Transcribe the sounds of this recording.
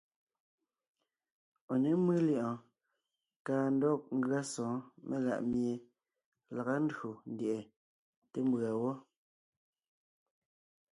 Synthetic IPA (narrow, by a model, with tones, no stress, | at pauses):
ɔ˨ne˦mɨ˦lji˦˨ʔɔ̃˨ | kaː˦n̩˦dɔ˦k̚ŋ̩˦ɡɰa˦sɔ̃ː˨˦mʔe˦ɣa̰˨ʔmje˨ | la˨ɣa˦n̩˦dɰo˨n̩˦dje˨ʔe˨ | te˦m˦bɰa˨wɔ˦